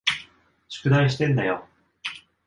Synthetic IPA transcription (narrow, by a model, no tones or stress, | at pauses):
ɕi̥kɯ̟naiɕi̥t̪ẽ̞nd̪ajo